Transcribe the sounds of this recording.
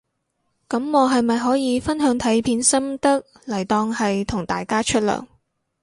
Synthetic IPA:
kɐ˨˥mːɔː˨˧ɦɐ˨jmɐ˨jɦɔː˨˥jiː˨˧fɐ˥nɦœː˨˥ŋt̪ʰɐ˨˥jpʰiː˨˥nsɐ˥mt̪ɐ˥k̚ | lɐ˨˩jt̪ɔː˧ŋhɐ˨jt̪ʰʊ˨˩ŋt̪aː˨jkaː˥t͡ʃʰɵ˥t̚lœ̰ː˨˩ŋ

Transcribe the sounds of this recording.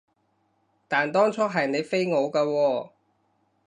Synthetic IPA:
t̪aː˨nt̪ɔː˥ŋt͡sʰɔː˥ɦɐ˨jne˨˧jfe˥jŋo˨˧wkaː˧wɔː˧

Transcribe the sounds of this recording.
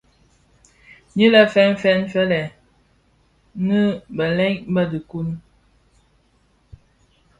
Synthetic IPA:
ɲi˦lɛ˦fɛ˦n˦fɛ˦nfɛ˦lɛ˨ | nə˦bə˨lɛ˦ŋbə˦dɨ˨ku˦n

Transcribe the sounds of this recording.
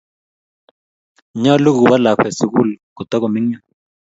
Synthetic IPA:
ɲɔ˦lu˦ɡu˨ba˦la˨kwɛ˨su˨ku˦˨lku˨t̪ɔ˦kɔ˨mɪ˦ŋɲɔ˦

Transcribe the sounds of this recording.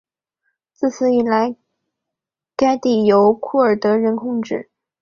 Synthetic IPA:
t͡sɹ̩˥˩t͡sʰɹ̩˥˩i˨˩la˧˥ɪ | ka˥t̪i˥˩jo˧˥ʊkʰu˥˩ə˞˨˩t̪ɤ˧˥ɻə˧˥nkʰʊ˥˧ŋʈ͡ʂɻ̩˥˩

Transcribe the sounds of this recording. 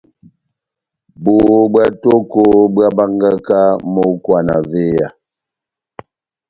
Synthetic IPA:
bo˨˦ba˦to˦ko˦bɰa˦ba˦ŋɡa˦ka˦mo˦kwa˨na̰˨ve˦ja̰˨

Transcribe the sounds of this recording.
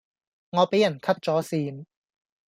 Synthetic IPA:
ŋɔː˨˧pe˨˥jɐ˨˩nkʰɐ˥p̚t͡sɔː˨˥siː˧n

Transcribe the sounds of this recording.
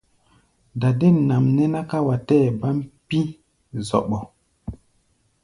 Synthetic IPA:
da˨de˦˨na˨mnɛ˦na˦ka˦wa˨tɛː˦˨ba˦m˦pi˦ | zɔ̰˨ɓɔ˨

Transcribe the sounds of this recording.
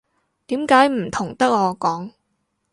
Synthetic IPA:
t̪iː˨˥mkaː˨˥jm̩˨˩t̪ʰʊ˨˩ŋt̪ɐ˥k̚ɔː˨˧kɔː˨˥ŋ

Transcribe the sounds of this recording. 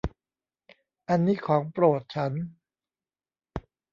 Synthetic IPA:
ʔa˧nːiː˦˥kʰɔː˩˦ŋpɾo˨˩t̪̚t͡ɕʰa˦˥n

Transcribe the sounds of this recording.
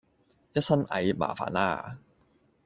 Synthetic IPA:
ja˦˥sa˥˩nʔa̰˨˦jma̰ː˨˦fa̰ː˨˦naː˥˩

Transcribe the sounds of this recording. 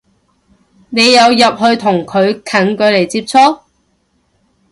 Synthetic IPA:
ne˨˧jːɐ˨˧wjɐ˨p̚hɵ˧ɥt̪ʰʊ˨˩ŋkʰɵ˨˧ɥkʰɐ˨˩nkɵ˨˧ɥle˨˩jt͡siː˧p̚t͡sʰɔː˥

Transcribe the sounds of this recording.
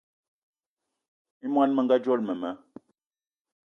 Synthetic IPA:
i˦mwa˦nmə˨ŋɡa˦d͡ʒɔ˦lmə˨mə˨˦

